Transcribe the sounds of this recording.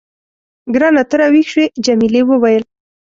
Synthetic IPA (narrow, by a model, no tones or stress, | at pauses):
ɡɾanat̪əɾawixʃwed͡ʒamilewəwajəl